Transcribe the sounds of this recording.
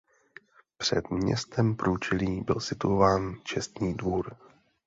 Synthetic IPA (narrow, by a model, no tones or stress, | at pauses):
pr̥ɛ̰d̪mɲɛ̰st̪ɛmpɾuːt͡ʃɛliːbɪlsɪt̪uovaːnt͡ʃɛst̪ɲiːdvuːɾ